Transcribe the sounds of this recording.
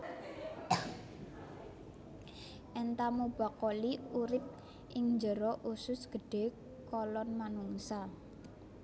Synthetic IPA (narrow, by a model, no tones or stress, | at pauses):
ʔɛnt̪amub̥a̤koliuɾɪp̚ | ʔɪŋɲd͡ʒəɾɔʔusʊsɡ̥ə̤ɖ̥e̤ | kɔlɔnmanuŋsa